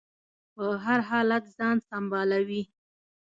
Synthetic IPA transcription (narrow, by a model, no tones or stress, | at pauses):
pəɦaɾɦɑlat̪zɑnsambɑlawi